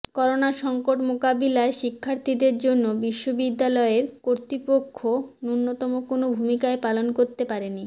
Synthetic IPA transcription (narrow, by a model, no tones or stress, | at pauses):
kɔɾonaʃɔŋkoʈmokabilaeʃikʰːaɾt̪ʰid̪eɾd͡ʑonːobiʃːobid̪ːalɔeɾkoɾt̪ɾipokʰːonunːot̪ɔmokonobʱumikaepalonkoɾt̪epaɾeni